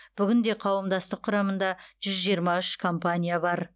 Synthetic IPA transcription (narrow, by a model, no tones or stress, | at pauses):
b̥ʏɡʲɪnd̪e̞qʰɑwəmd̪ɑst̪əqʰːʊɾɑmənd̪ɑʒ̥ʏzʒijəɾmɑʏʃkʰo̞mpanʲijabɑɾ